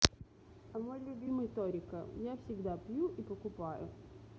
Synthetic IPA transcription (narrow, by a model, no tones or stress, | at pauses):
ɐmolʲʊbʲimɨjt̪oɾʲɪkəjafsʲɪɡd̪apjuʔipəkʊpajʊ̰